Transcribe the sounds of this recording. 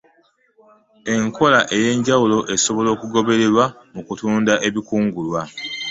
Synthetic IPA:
e̞ŋkʰo̞laʔe̞je̞ːɲɟawulo̞ʔe̞so̞βo̞lo̞ːkuɡo̞βe̞ɾe̞ɾwamukutuːndaʔe̞βikuːŋɡulwa

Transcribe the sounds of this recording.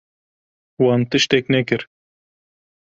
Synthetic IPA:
wɑːnt̪ɨʃt̪ɛknɛkɨɾ

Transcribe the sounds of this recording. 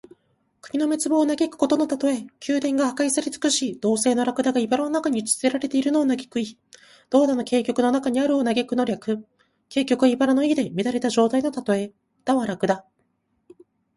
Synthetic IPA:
kɯ̟̥ɲ̟ino̞me̞t͡sɨbo̞ːnaɡʲe̞kɯ̟̥ko̞t̪o̞no̞t̪at̪o̞e̞kʲʰɨːd̪ẽ̞ŋɡahakaisaɾʲit͡sɨ̥kɯ̟ɕiːd̪̥o̞ːse̞ːno̞ɾakɯ̟d̪aɡaibaɾano̞nakaɲ̟it͡si̥t͡sɨe̞ɾaɾe̞t̪e̞iɾɯ̟no̞ːnaɡe̞kɯ̟i | d̪̥o̞ːd̪ano̞ke̞ːkʲo̞kɯ̟no̞nakaɲ̟iaɾɯ̟onaɡe̞kɯ̟no̞ɾʲakɯ̟ | ke̞ːkʲo̞kɯ̟aibaɾano̞id̪e̞mʲiɾaɾe̞t̪aʑo̞ːt̪aino̞t̪at̪o̞e̞ | d̪̥aβaɾakɯ̟d̪a

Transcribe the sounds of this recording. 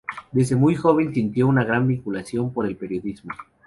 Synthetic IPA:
d̪ezðemujxo̞β̞e̞nsint̪jo̞unaɣɾambiŋkulasjo̞mpo̞ɾe̞lpe̞ɾjo̞ðizmo

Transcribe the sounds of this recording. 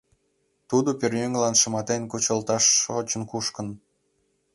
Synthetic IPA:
t̪ud̪operjøŋlɑnʃəmɑt̪enkut͡ɕə̆lt̪ɑʃot͡ɕə̆nkuʃkə̆n

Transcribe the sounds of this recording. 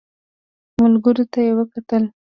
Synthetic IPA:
mʊlɡəɾot̪ajewəkat̪əl

